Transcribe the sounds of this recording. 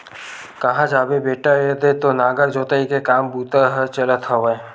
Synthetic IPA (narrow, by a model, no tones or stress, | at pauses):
kəɦãd͡ʒaːbebeːʈaed̪et̪onaːɡəɾd͡ʒoːt̪əikekaːmbut̪əɦət͡ʃələt̪ɦɔʋə̃